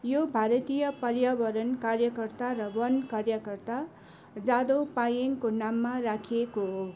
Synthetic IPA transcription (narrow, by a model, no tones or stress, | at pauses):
jobʱaɾʌt̪ijʌpʌrjabʌɾʌnkarjʌkʌrt̪aɾʌbʌnkarjʌkʌrt̪a | d͡zad̪opajeŋkonamːarakʰijekoɦo